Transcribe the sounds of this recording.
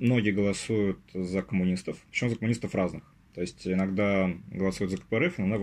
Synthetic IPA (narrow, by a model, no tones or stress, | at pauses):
mno̞ɡʲɪəɡəlˠɐsujʊt̪zəkəmʊnʲist̪əfpə̥t͡ɕmuzəkəmʊnʲist̪əfraznɨx | t̪oɪsʲtʲɪnɐɡd̪aɡəlˠɐsujɪt̪zəkə̥pəɾɛfɪnɐna